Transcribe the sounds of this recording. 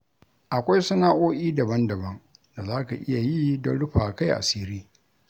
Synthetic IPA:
ʔa˨kʷa˦jsɐ˦naː˦ʔoː˦ʔʲiː˦dɐ˨bɐ˦ndɐ˨bɐ˦ŋ | da˨zaː˦ka˨ʔɪ˦ja˨jiː˦dɔ˦nɽʊ˦ɸaː˨ka˦jʔa̰˨siː˦ɾiː˦

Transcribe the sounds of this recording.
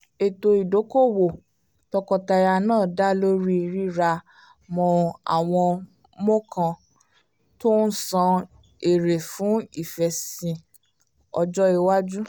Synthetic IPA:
e˨to˧i˨do˨˦ko˦˨wo˨ | tɔ˧kɔ˧ta˧ja˧nãː˦˨da˦lo˦ɾi˦i˧ɾi˦ɾa˧ | mɔ̃˧a̰˨w̃ɔ̃˧ | mɔ̃˦kʰã˧ | to˦n̩˦sã˧ | e˨ɾe˨fũ˨˦i˦˨fɛ˧sĩ˧ | ɔ̰˧d͡ʒɔ˦e˧wa˦d͡ʒu˦

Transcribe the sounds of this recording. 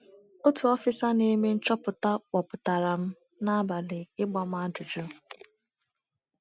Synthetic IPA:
o˦tu˨ɔ˦fɪ˦sa˦ne˦me˦n̩˦t͡ʃɔ˦pʊ˨ta˦k͡pɔ˨pʊ˨ta˨ɾa˨m̩˦ | na˦a˦ba˨lɪ˨ɪ˦ɡ͡bɔ˦m̩˦a˦dʊ˨d͡ʒʊ˦

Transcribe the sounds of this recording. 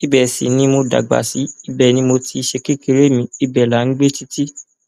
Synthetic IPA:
i˦bɛ˨sḭ˨nĩ˦mo˧da̰˨ɡ͡ba̰˨si˨˦i˦bɛ˦˨nĩ˧˦mo˧ti˧ʃe˧ke˦˨ke˧ɾe˦mĩ˧˦i˧bɛ˨la˨˦n̩˦ɡ͡be˦ti˦ti˦

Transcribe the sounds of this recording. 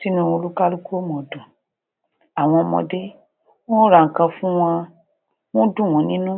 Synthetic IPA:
si˦nũ˦o˧lu˦ka˦lu˦ko˦mɔ̃˨dũ˨ | a˨w̃ɔ̃˧ɔ˧mɔ̰˧de˦ | wɔ̃˦ɾa˨ŋ̩˨kã˧fũ˦w̃ã˧ | wõ˦dũ˦˨w̃ɔ̃˨˦nĩ˦nũ˦

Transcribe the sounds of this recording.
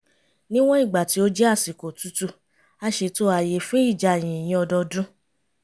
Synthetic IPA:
nĩ˦w̃ɔ̃˦i˦˨ɡ͡ba˨ti˨˦o˦d͡ʒɛ˦a˦˨si˨ko˨tu˨˦tu˦˧ | a˦ʃe˧to˦a˧˨je˧fẽ˦i˦˨d͡ʒa˧˨j̃ĩ˨j̃ĩ˧˦ɔ˧dɔ˧dũ˦

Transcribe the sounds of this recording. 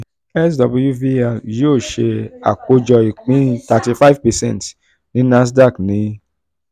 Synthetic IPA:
ɛ˦s̬dɔ˧bu˦ju˦vi˦ɛ˨jo˦o˦˨ʃe˧a̰˨ko˦d͡ʒɔ˧i˨k͡pĩ˦ta˧ti˧fa˦i˦vpɛ˨sɛ̃˦˨nt | nĩ˨˦na˦s̬da˦˨knĩ˨˦

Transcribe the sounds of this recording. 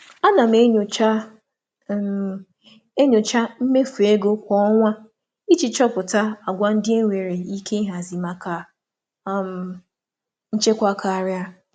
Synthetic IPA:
a˦na˨m̩˦e˦ɲ˨t͡ʃ | e˦ɲo˨t͡ʃa˦m̩˦me˦fu˨e˦ɡo˦kʷɔ˦ɔ˦ŋʷa˦ | i˦t͡ʃi˨t͡ʃɔ˦pʊ˨ta˦a˨ɡʷa˦n̩˦dɪ˦e˦ŋʷe˨ɾe˨i˦kʰe˦i˦ɦa˨zi˨ma˨ka˨˦ | m̩˨ | n̩˦t͡ʃe˦kʷa˦kʰa˨a˨ɾja˦

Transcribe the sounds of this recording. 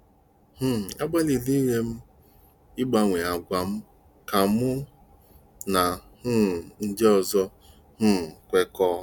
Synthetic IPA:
h̩˦˨a˦ɡ͡ba˦li˨li˦ɦe˦m̩˦ | ɪ˦ɡ͡ba˨ŋʷe˨a˨ɡʷa˨m̩˦ | ka˨mʊ˦ | na˨hʊ˦˨n̩˦de˦ɔ˨zɔ˦ | hʊ˦˨kʷe˦kɔ˦

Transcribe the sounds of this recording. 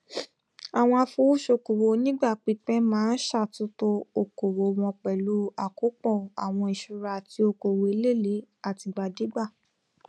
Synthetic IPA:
a˨w̃ɔ̃˧a˧fo˧˦u˦ʃo˧˨ko˨wo˨nĩ˦ɡ͡ba˦˨k͡pi˧˦k͡pɛ̃˦mãː˦n̩˦ʃa˦˨tu˦to˧o˨ko˨wo˨w̃ɔ̃˧k͡pɛ˨lu˨˦a˨ko˨˦k͡pɔ̃˦˨a˨w̃ɔ̃˧i˨ʃu˨˧ɾa˧ti˧˦o˧ko˨we˨˧e˧˦le˦˨le˨˦ | a˨ti˧ɡ͡ba˨di˨˦ɡ͡ba˦˨

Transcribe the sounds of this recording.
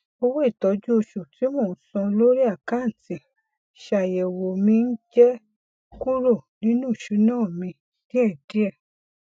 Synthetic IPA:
o˧wo˦i˦˨tɔ˨˦d͡ʒu˦o˧ʃu˨ti˨˦moː˦˨˦sɔ̃˧lo˦ɾi˦a˦˨ka˦n̩˨ti˨ | ʃa˨jɛ˨wo˨mĩ˧n̩˦d͡ʒɛ˦ | ku˦ɾo˦˨nĩ˦nũ˦i˦˨ʃu˨˦nãː˦˨mĩ˧ | d̥i˦ɛ˦˨di˨˦ɛ˦˨

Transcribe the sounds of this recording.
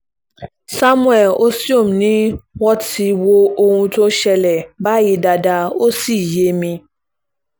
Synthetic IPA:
sa˦mũ˦ɛ˨lo˦si˦o˦˨m˨nĩ˦wɔ˦ti˧wo˦o˧hũ˧to˦ʃɛ˧lɛ˨ba˦ji˧˦da˧da˧o˦si˦˨je˨˦mĩ˧

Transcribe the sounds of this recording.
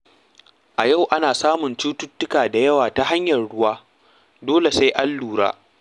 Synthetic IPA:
ʔa˨ja˦˨wʔa˦naː˨saː˦mʊ˨nt͡ʃuː˦tʊ˦tːʊ˦kaː˨da˨jɐ˦waː˨ta˦ha˦ɲjɐ˨rɽʊ˦waː˦ | doː˦le˨sa˦jʔa˦lːuː˨ɽa̰ː˦

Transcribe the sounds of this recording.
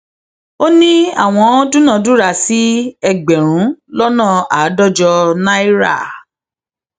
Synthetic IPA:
o˦nĩ˦a̰˦˨w̃ɔ̃˧õ˦dũ˦nã˧˨du˦ɾa˧˨si˨˦ɛ˧ɡ͡bɛ˨ɾ̃ũ˨˦lɔ˦nãː˦˨a˨˦dɔ˦˨d͡ʒɔ˧na˦i˦ɾa̰˦˨

